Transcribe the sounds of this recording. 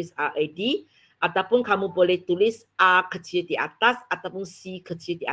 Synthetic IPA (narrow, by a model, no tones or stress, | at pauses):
ɪsaʔadi | ʔat̪awpʊnkamubolɛht̪ulɪs | akəd͡ʒ̥iəd̪ia̰t̪asat̪awpʊnsikə̥d͡ʒiəd̪iʔa̰